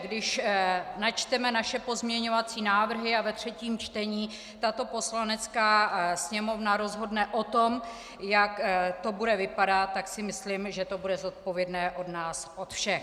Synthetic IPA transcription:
ɡdɪʃnat͡ʃt̪ɛmɛnaʃɛpo̞zmɲɛɲo̞vat͡siːnaːvr̩ɦɪavɛt̪r̥ɛciːmt͡ʃt̪ɛɲiː | t̪at̪o̞po̞slanɛt͡skaːsɲɛmo̞vnaɾo̞zɦo̞dnɛʔot̪om | jakt̪o̞budɛvɪpadat̪ːaksɪmɪslɪmʒɛt̪o̞budɛzo̞t̪̚po̞vjɛdnɛːʔo̞dnaːsʔot̪fʃɛ

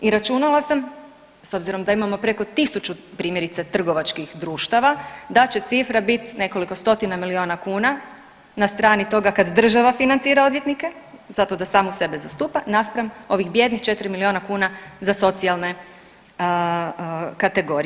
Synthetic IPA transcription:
iɾat͡ʃunalˠasam | so̞bziɾo̞md̪aimamo̞pɾe̞ko̞t̪isut͡ʃupɾiːmjeɾit̪set̪r̩ɡo̞ʋat͡ʃkixd̪ɾuːʃt̪aʋad̪at͡ɕe̞t̪sifɾabit̪ne̞ko̞liko̞st̪o̞t̪inamilio̞nakuːna | nast̪ɾaːnit̪o̞ɡakad̪d̪r̩ʒaʋafinant̪siːɾao̞d̪ʋjet̪nikez̥at̪o̞d̪asaːmuse̞bezast̪uːpanaspɾamo̞ʋixbje̞d̪nixt͡ʃe̞t̪ɾimilio̞ːnakuːnazaso̞t̪sialˠne̞ | kat̪e̞ɡo̞ɾi

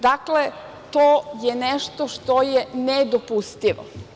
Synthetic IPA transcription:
d̪akle | t̪ojenɛʃt̪oʃt̪ojɛned̪opust̪iʋo̰

